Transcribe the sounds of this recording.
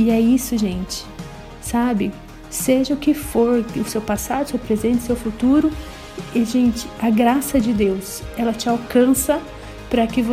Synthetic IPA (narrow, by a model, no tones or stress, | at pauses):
ɪɛisʊʒẽnt͡ʃɪ̥ | sabɪ | seʒɐʊkɪfoɾʊsewpasad̪ʊsewpɾezẽnt͡ʃ̪ɪsewfut̪uɾʊ | ɪʒẽnt͡ʃɪɐɡɾasɐd͡ʒɪd̪ewsɛlɐt͡ʃɪawkɐ̃sɐ | pɾɐkɪvo